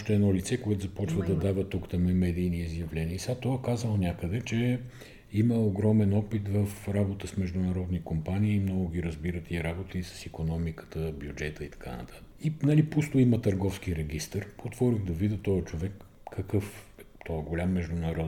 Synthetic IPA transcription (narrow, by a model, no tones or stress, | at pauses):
ʃt̪ɛɛnɔlit̪sɛkoɛt̪ʊzɐpɔt͡ʃvəd̪ɐd̪avət̪ukt̪ɐmɛmɛd̪iːniizjɐvlɛniəsat̪ɔɛkazəlˠonʲakəd̪ɛt͡ʃɛ | iməoɡɾɔmɛnɔpit̪vəfɾabot̪əsmɛʒd̪ʊnɐɾɔd̪nikompaniːmnɔɡʊɡ̟ʲiɾɐzbiɾət̪iɾabot̪əisə̥sikonɔmikə̥t̪əbjud͡ʒɛt̪əit̪ɐ̥ka̰nɐ̰t̪ʰḁt̪ə̥inɐlipust̪ʊimət̪əɾɡɔfskiɾɛɡist̪əɾot̪vɔɾʲiɣd̪ɐvid̪ət̪ɔjət͡ʃovɛkː | ɐkɤf | ɛt̪ɔɛɡolʲamːɛʒd̪ʊnɐɾɔd̪